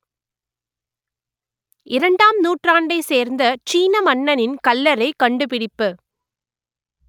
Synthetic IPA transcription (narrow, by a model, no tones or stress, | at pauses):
ɪɾɐɳɖaːmnuːʈraːɳɖɐɪseːɾnd̪ɐt͡ʃiːnɐmɐɳːɐnɪnkɐlːɐɾɐɪkːɐɳɖɯpɪɽɪpːɯ